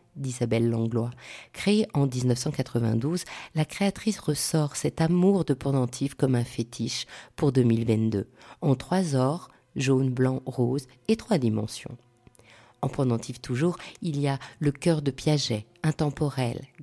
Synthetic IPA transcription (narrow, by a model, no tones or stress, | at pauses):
d̪izabɛlːɑ̃ɡlwakχeeʔɑ̃d̪iznœfsɑ̃kat̪χəvɛ̰̃d̪uzlakχeat̪χisʁəsɔʁsɛt̪amuʁd̪əpɔ̃d̪ɑ̃t̪ʰifkɔmɛ̃fet̪ʰiʃpuʁd̪əmilvɛ̃t̪d̪øɑ̃t̪χwazɔʁ | ʒonblɑ̃ʁoz | et̪χwad̪imɑ̰̃sjɔ̰̃ | ɑ̃pɔ̃d̪ɑ̃t̪ʰift̪ʰuʒuʁilijaləkʲœʁd̪əpjɛʒɛ | ɛ̃t̪ɑ̃pɔʁɛl